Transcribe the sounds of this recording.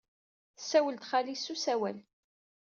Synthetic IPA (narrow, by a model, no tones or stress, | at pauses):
θsæwəlt̪χalisusæwæl